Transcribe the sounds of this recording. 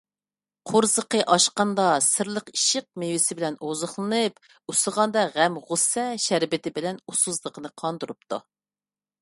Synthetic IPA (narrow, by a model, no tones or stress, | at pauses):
qʰʊɾzəqəʔɑʃqɑnd̪ɑsɪɾlˠəqiʃɪq̚mewɪsɪbɪlɛnozʊχlˠɨnɨp | usəʁɑnd̪ɑʁæmʁʊsɛʃæɾbɪt̪ʰɪbɪlɛnusuzlˠəqʰənɨqʰɑnd̪uɾup̚t̪ʰu